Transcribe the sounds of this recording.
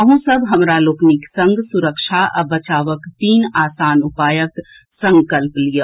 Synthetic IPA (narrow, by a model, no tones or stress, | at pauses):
əɦũsəbʱɦəmɾaloːkniksəŋɡsuɾəkʃʰaʔə̰bət͡ʃaːʋəkt̪iːnaːsaːnupaːjək | sə̃ŋkəlplijə